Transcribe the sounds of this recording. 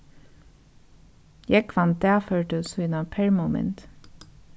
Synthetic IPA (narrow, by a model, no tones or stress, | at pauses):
jɛkʰʋɑnt̪̚d̪æːføːʈəsʉːnɑpʰɛɹmoːmɛ̰nt̪